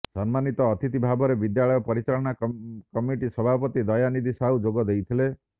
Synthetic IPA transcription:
sɔnmanit̪ɔːt̪it̪ibʱabɔɾebid̪jaɭɔjɔpɔɾit͡ʃaɭɔɽ̃akɔmiʈisɔbʱapɔt̪id̪ɔjanid̪isaud͡ʒoɡɔd̪ejt̪ʰile

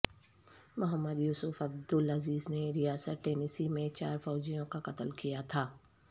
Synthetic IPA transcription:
mʊɦəmːəd̪juːsʊfɐb̚d̪ʊlɐziːzneɾijaːsət̪ʈeːnisimẽt͡ʃaːɾfɔːd͡ʒijõkaqɐt̪əlkijat̪ʰaː

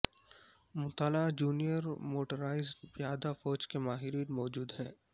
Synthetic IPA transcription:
mʊt̪alad͡ʒuːnijəɾmoːʈəɾaːɪzpjaːd̪afɔːd͡ʒkemaːɦɪɾiːnmɔːd͡ʒuːd̪ɦɛ̃ː

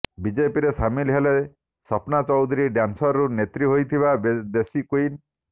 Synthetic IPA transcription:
bid͡ʒepiɾesamilɦele | sɔpnat͡ʃɔwd̪ʱɾiɖjansɔɾɾunet̪ɾiɦojt̪ʰibabed̪esikuin

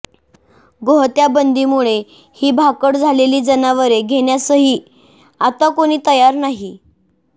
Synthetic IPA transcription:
ɡoɦt̪jabənd̪iːmuɭe | hiːbʱakəʈd͡zʱaleliːd͡zənaʋəɾeɡʱeɽjasəɦiː | at̪akoɽ̃iːt̪əjaɾnaɦi

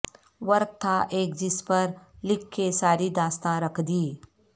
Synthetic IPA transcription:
ʋɐɾɡ̚t̪ʰaʔeːkd͡ʒɪspəɾlɪkʰːesaːɾid̪aːst̪ãɾɐkʰd̪iː

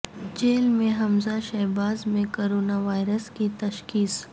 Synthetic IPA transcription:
d͡ʒeːlmẽɦɐmzaʃɛbaːzmẽkoːɾoːnaʋaːɪɾəskit̪ɐʃkiːs

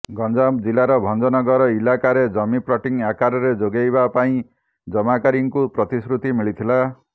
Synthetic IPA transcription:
ɡɔnd͡ʒabd͡ʒilaɾɔbʱɔnd͡ʒɔnɔɡɔɾɔilakaɾed͡ʒʌmipɾɔʈiŋakaɾɔɾed͡ʒoɡajbapaĩ | d͡ʒʌmakaɾiŋkupɾɔt̪isɾut̪imiɭit̪ʰila

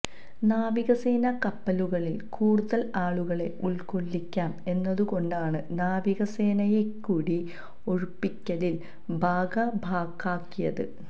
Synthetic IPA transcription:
naːʋiɣɐse̞ːnɐkɐpːɐluɣɐɭilkuːɽuðɐlaːɭuɣɐɭe̞ʔuɭkoɭːikʲːaːme̞nːɐðuɣo̞ɳɖaːɳɨnaːʋiɣɐse̞ːnɐjekːuːɽi | oɻupːikʲːɐlil | bʱaːɡɐbʱaːkːaːkːijɐðɨ̰

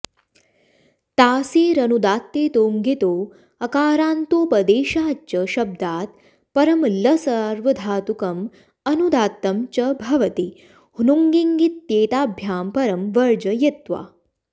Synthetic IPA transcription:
t̪aːsiːɾɐnud̪aːt̪ːeːt̪oːŋɡit̪oː | ɐkaːɾaːnt̪oːpɐd̪eːɕaːt͡ʃɐɕɐb̚d̪aːt̪̚ | pɐɾɐmlɐsɐɾʋɐd̪ʱaːt̪ukɐm | ɐnud̪aːt̪ːɐmt͡ʃɐbʱɐʋɐt̪i | hunuŋɡiŋɡit̪ːeːt̪aːbʱjaːmpɐɾɐmʋɐɾd͡ʒɐjet̪ʋa̰ː

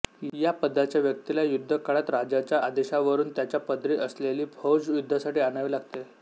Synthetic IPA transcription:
japəd̪ʱːat͡ɕjaʋjək̚t̪ilajud̪ʱːəkaɽat̪ɾad͡ʑat͡ɕjaad̪eɕaʋəɾuːnt̪jat͡ɕjapəd̪ʱɾiːʔəsleliːbʱowd͡ʑjud̪ʱːasaʈiːañaʋiːlaɡt̪e

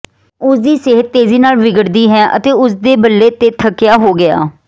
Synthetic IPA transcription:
ʊsd̪iːsɪɦət̪ːeːziːnaːlʋɪɡəɽd̪iːɦɛːʔə̰t̪eːʊsd̪eːbəlːeːt̪eːt̪ʰəkːɪjaːɦoːɡɪja̰ː

